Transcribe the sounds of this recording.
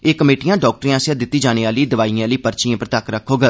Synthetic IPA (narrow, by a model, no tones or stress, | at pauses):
eːkəmeːʈijãːɖɔːk̚ʈəɾiãːsãːd̪ɪt̪ːiːd͡ʒaːneːaːliːd̪əʋaːiãːləiːpəɾt͡ʃiãːpəɾt̪əkɾəkʰːoːɡə